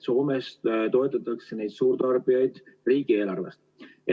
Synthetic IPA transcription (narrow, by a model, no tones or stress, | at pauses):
so̞ːme̞st̪o̞e̞t̪ːˑɑt̪ːˑɑkse̞ne̞jd̪suːrt̪ɑrb̥ijɑjd̪̥riːɡ̥ie̞ːlɑrve̞̰st̪e